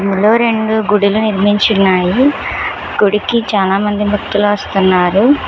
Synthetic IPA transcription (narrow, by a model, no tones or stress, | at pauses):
ɐmiloːɾe̞ɳɖuɡuɽiluniɾmiɲt͡ʃunːaːji | ɡoɽikit͡ʃaːlaːmɐnd̪imʱɐt̪ːuloʋɐst̪unːaːɾu